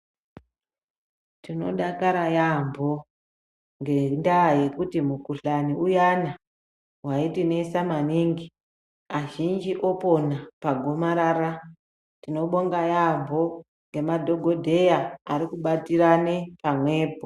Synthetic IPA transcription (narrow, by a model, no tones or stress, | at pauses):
tino̞̰ɗakaɾajambʱo̞ | ŋɡendaːje̞kutimukuɬaniujana | waitine̞samaniŋɡi | aʒind͡ʒiʔo̞po̞napaɡʱo̞maɾaɾa | tino̞ɓo̞ŋɡajambʱo̞ | ŋɡe̞madʱo̞ɡʱo̞dʱe̞jaaɾikuɓatirane̞pamwe̞ːp̚o